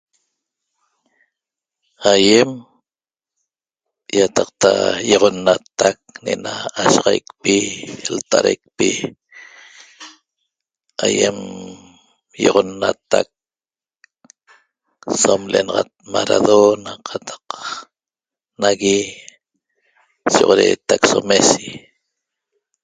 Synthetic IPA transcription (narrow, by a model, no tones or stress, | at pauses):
ajem | jat̪ɑq̚t̪ajoʁonːat̪ːak̚nenaːʃɑʁɑjkpilt̪aɾajk̚pi | ajem | joʁonːat̪ak̚ | somlenɑʁɑt̪̚maɾaðonaqʰɑt̪ʰɑ̥q | naɣi | soʁoɾeːt̪aksomesi